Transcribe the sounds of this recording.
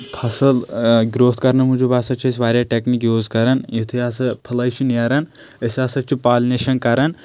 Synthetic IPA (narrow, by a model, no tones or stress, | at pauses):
pʰɐsɐlɡɾoːt̪ʰkɐɾnɐmud͡ʒubaːsɐt͡ʃʰɐsʲʋaːɾʲjaʈeknikjoːzkɐɾɐnjit̪ʰɐjasɐpʰɐlɐjt͡ʃʰiniɐɾɐn | ɐsʲaːsɐt͡ʃʰipaːlneʃɐnkɐɾɐn